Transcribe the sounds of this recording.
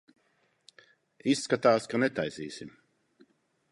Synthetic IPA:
isːkat̪aːskanɛt̪ajziːsim

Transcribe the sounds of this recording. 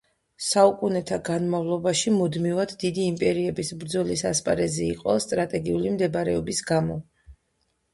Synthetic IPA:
saukʼunɛt̪ʰaɡanmavlˠɔbaʃimud̪mivad̪ːid̪iːmpʼɛɾiɛbisbɾd̪zɔlisaspʼa̰ɾɛzɛiqʼɔst̪ʼɾat̪ʼɛɡiulimd̪ɛbaɾɛɔbisɡamɔ

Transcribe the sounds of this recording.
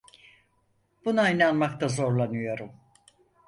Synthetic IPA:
b̥unaajnanmakt̪ʰazo̞ɾlˠanɯjo̞ɾum

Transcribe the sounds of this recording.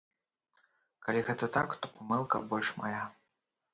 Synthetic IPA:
kalʲiɣɛt̪ɐt̪akt̪ɔpamɛlˠkɐ̰bɔlʲʂma̰ja

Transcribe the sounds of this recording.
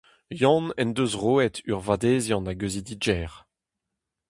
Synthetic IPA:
jɔ̃nɛnd̪øzʁoːɛtʰyʁvad̪eːzjɑ̃naɡøzid̪id͡ʒɛːʁ

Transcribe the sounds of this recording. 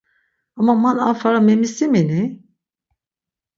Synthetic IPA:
amamana̰faɾamemisimeni

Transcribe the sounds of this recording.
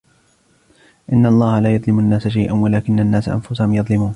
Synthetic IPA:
ʔɪnːalˤːɑːhalaːjɑðˤlɪmanːaːsaʃ̬ajʔanwalaːkɪnːanːaːsaʔa̰nfʊsahʊmjɑðˤlɪmuːn

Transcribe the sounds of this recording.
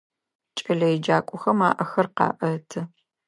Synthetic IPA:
t͡ʃʼɐɮɐjd͡ʒaːkʷʼʊxɐmaːʔɐxɐrqɑ̰ːʔɐtʰɐ

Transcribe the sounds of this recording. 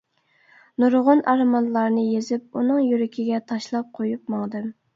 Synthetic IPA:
nuɾʁʊnʔɑɾmɑnlˠɑɾnɨjezɪp̚unɨŋjyɾɪkʲʰiɡʲɛt̪ʰɑʃlˠɑp̚qʰojup̚mɑŋd̪ɨm

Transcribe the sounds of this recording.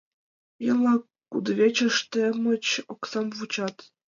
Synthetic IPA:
jɤlˠɑ | kːud̪vʲet͡ɕə̆ʂt̪ĕmə̆t͡ɕoksɑmvut͡ɕɑt̪

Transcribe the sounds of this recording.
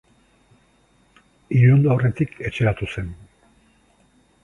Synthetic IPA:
iɾond̪aoret̪ikʰe̞t͡ʃe̞ɾat̪use̞n

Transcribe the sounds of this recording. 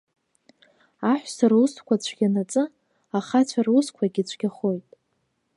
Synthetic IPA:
aħʷsarusʰkʷʰat͡ɕʷʰɡʲanat͡sʼɨ | aχat͡ɕʷʰaruskʷʰaɡʲit͡ɕʷʰɡʲaχo̞jtʼ

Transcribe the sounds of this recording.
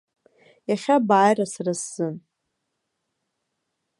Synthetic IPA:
jaχʲabaːjrasarasːɨn

